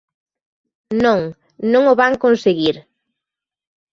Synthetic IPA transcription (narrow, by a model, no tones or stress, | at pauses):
nõŋ | nõŋoβaŋkõnseɣiɾ